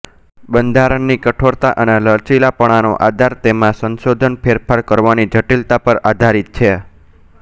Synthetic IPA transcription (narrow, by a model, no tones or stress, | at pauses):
bənd̪ʱaɾəɳːikəʈʰoɾt̪aʔəneləɭt͡ʃilapəɽ̃ano̰ʔad̪ʱaɾt̪emãsənsod̪ʱənpʰeɾpʰaɾkəɾʋanid͡ʒʱəʈilt̪apəɾad̪ʱaɾit̪̚t͡ʃʰe